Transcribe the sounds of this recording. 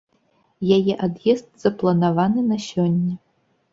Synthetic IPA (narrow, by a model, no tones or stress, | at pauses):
jajɛʔad̪jɛzt̪z̥ɐplˠɐnavanɨnɐɕɔnʲːɐ